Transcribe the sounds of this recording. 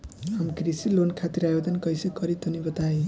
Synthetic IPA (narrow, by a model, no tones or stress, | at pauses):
amkrisilonkʰat̪iɾajod̪ʌnkʌjsekʌɾit̪unibʌt̪ae